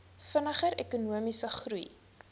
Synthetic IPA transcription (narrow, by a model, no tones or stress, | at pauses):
fənəχəɾɛkunuəmisəχruj